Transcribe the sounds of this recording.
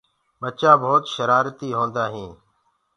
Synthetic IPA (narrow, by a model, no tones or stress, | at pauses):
ɓət͡ʃaːbʱoːt̪ʃəɾaːɾt̪iːɦõːnd̪aːɦĩː